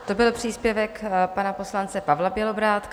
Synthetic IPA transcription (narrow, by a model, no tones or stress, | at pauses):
t̪o̞bɪlpr̥iːspjɛvɛkpanapo̞slant͡sɛpavlabjɛlo̞bɾaːt̪